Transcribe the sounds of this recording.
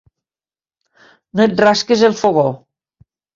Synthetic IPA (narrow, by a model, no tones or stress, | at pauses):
noet̪̚raskezelˠfoɣo